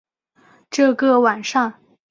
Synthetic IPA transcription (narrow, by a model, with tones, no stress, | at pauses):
ʈ͡ʂɤ˥˩˧ɡə˥˩wa˨˩nʂɑ˥˩ŋ